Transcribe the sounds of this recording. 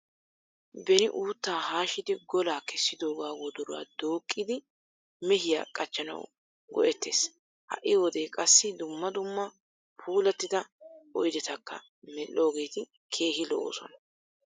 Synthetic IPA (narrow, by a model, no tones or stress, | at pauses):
bɛnɪʔuːt̪ːaːhaːʃɪd̪ɪɡɔlaːkɛsːɪd̪o̞ːɡaːwɔd̪ɔɾʊwa̰d̪oːkʼːɪd̪ɪ | mɛɦɪja̰ːkʼɐt͡ʃːɐnɐ̰w | ɡɔ̰ʔɛt̪ːe̞̰ːs | hɐ̰ʔːɪwɔd̪e̞ːkʼɐsːɪd̪ʊmːɐd̪ʊmːɐ | pʰuːlɐt̪ːɪd̪ɐɔjd̪ɛt̪ɐkːɐ̰ | mɛlːo̞ːɡe̞ːt̪ɪ | kʰe̞ːɦɪlɔ̰ʔo̰ːsɔ̰nɐ